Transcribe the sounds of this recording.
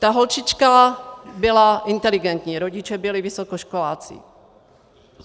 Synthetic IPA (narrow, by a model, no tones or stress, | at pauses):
t̪aɦolt͡ʃɪt͡ʃkabɪlaʔɪnt̪ɛlɪɡɛnt̪ɲiːɾoɟɪt͡ʃɛbɪlɪvɪsokoʃkolaːt͡sɪ̰